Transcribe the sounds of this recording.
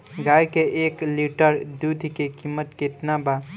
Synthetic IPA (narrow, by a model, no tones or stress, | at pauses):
ɡaːjkeʔeːkliʈəɾd̪ud̪ʱkekimːət̪kɪt̪naba